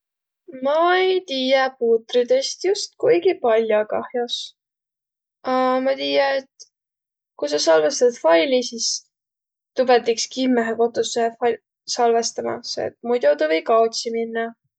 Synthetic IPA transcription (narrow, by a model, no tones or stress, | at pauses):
mɑejt̪iːjɑpuːt̪rid̪e̞st̪just̪̚kujɡipɑlʲjokɑhjos | ɑmɑt̪iːjɑet̪ | kusɑsɑlvest̪ɑt̪fɑjlisis | t̪ubet̪ːikskimːeɦeko̞t̪ːˑusefɑ | sɑlvest̪ɑmɑ̰sḛt̪̚mujd̪ʲot̪ɑvejkɑot̪siminːɑ